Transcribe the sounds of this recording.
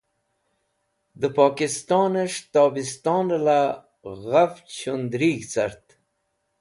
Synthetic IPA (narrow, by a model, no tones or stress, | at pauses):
d̪əpɑːkist̪ɑːneʂt̪ɑːbist̪ɑːnla | ɣaft͡ɕʰund̪ɾiɡt͡saɾt̪